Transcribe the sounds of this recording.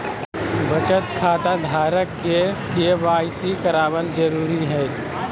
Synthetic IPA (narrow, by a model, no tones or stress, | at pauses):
bət͡ʃət̪kʰaːt̪ad̪ʱaːɾəkːekeʋaːɪsikɐɾaːʋəld͡ʒəɾuːɾiɦɛː